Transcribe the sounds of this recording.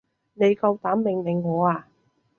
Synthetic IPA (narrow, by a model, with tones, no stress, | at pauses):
ne˨˧jkɐ˧wt̪aː˨˥mmɪ˨ŋmɪ˨˩ŋːɔː˨˧aː˧